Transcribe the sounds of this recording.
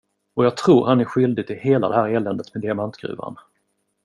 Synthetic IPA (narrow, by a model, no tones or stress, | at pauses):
ɔjɑːɡ̚t̪ʰɾuːɾhanæɾɧʏld̪ɪɡ̚t̪ʰɪlheːlad̪ɛɦæːɾɛlɛnd̪ət̪mɛd̪ɪamant̪ɡɾʉ̰ːva̰n